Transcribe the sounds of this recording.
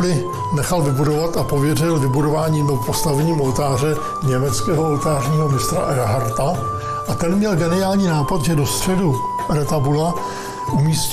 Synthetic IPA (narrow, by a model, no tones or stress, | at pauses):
dɪ | nɛxalvɪbudo̞vat̪apo̞vjɛrɪlvɪbudo̞vaːɲiːmpo̞st̪avɛɲiːmo̞lt̪aːr̝ɛ | ɲɛmɛt͡skɛːɦoo̞lt̪aːrɲiːɦo̞mɪst̪ɾa̰ʔɛɾaɦaɾt̪a | ʔat̪ɛnmɲɛlɡɛnɪaːlɲiːnaːpat̪ʒɛdo̞st̪r̝̥ɛdu | ʔɛɾat̪abula | ʔumiːsc